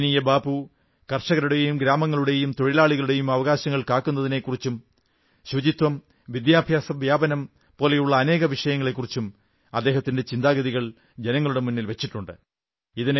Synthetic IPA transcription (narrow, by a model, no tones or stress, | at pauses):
nijɐbaːbu | kɐrʂɐɣɐɾuɽe̞jumɡɾaːmɐŋːɐɭuɽe̞jumt̪o̞ɻilaːɭiɣɐɭuɽe̞jumɐʋɐɣaːɕɐŋːɐɭkaːkːun̪ːɐðine̞kːurit͡ɕːum | ɕʋɐd͡ʑit̪ʋɐm | ʋid̪jaːbʱjaːsɐʋjaːbɐnɐm | po̞ːle̞juɭːɐːne̞ːɣɐʋiʂɐjɐŋːɐɭe̞kːurit͡ɕːum | ɐd̪ːe̞ːɦɐt̪ːinde̞t͡ɕind̪aːɡɐðiɣɐɭ | d͡ʑenɐŋːɐɭuɽe̞munːilʋet͡ɕːiʈːuɳɖɨ | iðin